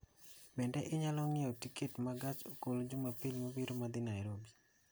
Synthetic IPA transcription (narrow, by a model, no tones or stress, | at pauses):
bɛndɛʔɪɲalɔŋɪɔtiketmaɡat͡ʃokolod͡ʒumapilmabiɾomad̪ɪnajɾobi